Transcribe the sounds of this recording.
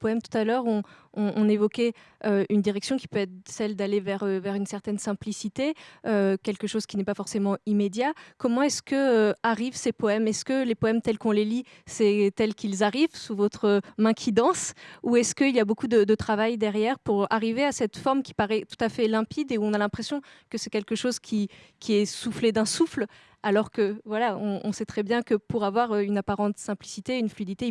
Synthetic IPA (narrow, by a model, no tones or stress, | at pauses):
pɔɛmt̪u̥t̪alœʁɔ̃ɔ̃ʔɔ̃nevɔkʲɛ | øynd̪iʁɛksjɔ̃kʲi̥pøɛt̪χsɛld̪alevɛʁøvɛʁynsɛʁt̪ɛnsɛ̃plisit̪eøkʲɛlkəʃoz̥kʲinɛpafɔʁsemɑ̃imed̪jakɔmɑ̃ɛskəøaʁivsepɔɛmɛskəlepɔɛmt̪ɛlkɔ̃leli | sɛt̪ɛlkʲilzaʁivsuvɔt̪χəmɛ̃kʲʰid̪ɑ̃suɛskəilijabokud̪əd̪ət̪χavajd̪ɛʁjɛʁpuʁaʁiveasɛt̪fɔʁmkʲi̥paʁɛt̪u̥t̪afɛlɛ̃pid̪euɔ̃nalɛ̃pχesjɔ̃kəsɛkʲɛlkəʃozkʲʰi | kʲʰiɛsufled̪ɛ̃sufl | alɔʁkəvwalaɔ̃ʔɔ̃sɛt̪χɛbjɛ̃kəpuʁavwaʁøynapaʁɑ̃t̪sɛ̃plisit̪eynflyid̪it̪e